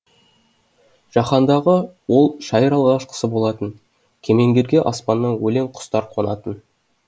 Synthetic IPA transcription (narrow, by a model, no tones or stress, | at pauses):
ʒ̥ɑχɑnd̪ɑʁəwo̞lˠʃɑjəɾɑlˠɑʁˠɑʃqə̥səbo̞lˠɑt̪ən | kʲʰe̞me̞ŋɡʲe̞ɾɡʲe̞ʔɑspɑnːɑɴwɵle̞ɴqʰʊ̥st̪ɑɾqʰo̞nɑt̪ən